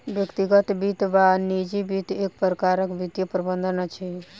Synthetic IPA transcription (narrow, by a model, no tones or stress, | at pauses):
ʋjəkt̪iɡət̪bit̪ʋanid͡ʒibit̪ek̚pɾəkaɾəkbit̪jəpɾəbənd̪ʱənat͡ʃʰi